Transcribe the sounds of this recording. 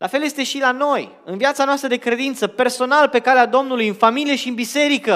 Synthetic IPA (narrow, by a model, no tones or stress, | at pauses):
lʔafe̞lje̞st̪e̞ʃilano̞j | ɨnviat̪sanoast̪ɾəd̪e̞kɾe̞d̪int̪səpe̞rso̞nalpe̞kalead̪o̞mnulujɨnfamilije̞ʃiɨnbise̞ɾikə